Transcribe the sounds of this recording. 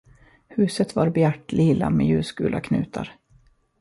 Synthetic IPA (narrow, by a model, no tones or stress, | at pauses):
hʉ̟ːsət̪vaɾbɛæʈːliːla̰mɛjʉ̟ːskʉ̟ːlakʰnʉ̟ːt̪ʰa̰ɾ